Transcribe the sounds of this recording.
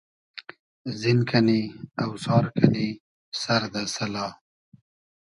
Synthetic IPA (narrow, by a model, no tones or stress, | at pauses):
zinkʰaniawsɑːɾkʰani | saɾd̪asalɑ